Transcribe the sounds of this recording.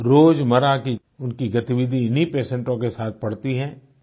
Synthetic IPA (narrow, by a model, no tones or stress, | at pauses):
ɾoːd͡ʒmɐɾaki | ʊnkiɡɐt̪ɪʋɪd̪ʱiɪnɦipeːsɛ̃ɳʈõkesaːt̪̚ʰpɐɽt̪iɦɛ̃ː